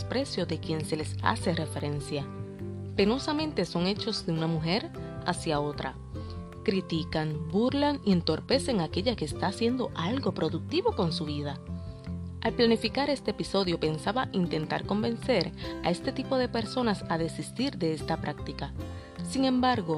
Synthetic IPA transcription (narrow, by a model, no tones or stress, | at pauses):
spɾe̞sjo̞ðe̞kje̞nse̞le̞sa̰se̞re̞fe̞ɾe̞nsjape̞no̞samẽnt̪e̞so̞ŋe̞t͡ʃo̞zd̪e̞unamuɦe̞ɾasjao̞t̪ɾa̰ | kɾit̪ikaŋbuɾlaŋie̞nt̪o̞ɾpe̞se̞ŋake̞ʝakeːst̪aːsje̞nd̪o̞ʔalɡo̞pɾo̞ðuk̚t̪iβo̞ko̞nsuβiða | alplanifikaɾe̞st̪eːpiso̞ðjo̞pe̞nsaβaʔint̪e̞nt̪a̰ɾko̞mbe̞nse̞ɾa̰e̞st̪e̞t̪ipo̞ðe̞pe̞ɾso̞nasaðe̞sist̪iɾðe̞e̞st̪apɾʔak̚t̪ika | siŋẽ̞mbaɾɣo̞